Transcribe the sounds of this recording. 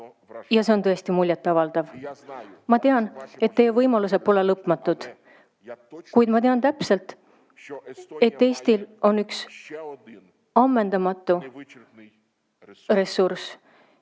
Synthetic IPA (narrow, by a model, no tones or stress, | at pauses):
jɑse̞o̞nt̪ɤest̪imulʲjɑt̪ːˑɑvɑld̪̥ɑv | mɑt̪e̞ɑne̞t̪ːe̞jːevɤjmɑlus̬e̞po̞le̞lɤpːˑmɑt̪ːud̪̥ | kujd̪̥mɑt̪e̞ɑnt̪æpselt̪ˑ | e̞t̪ːe̞jst̪ilo̞nyks | ɑmːe̞nd̪̥ɑmɑt̪ːˑu | re̞sːurs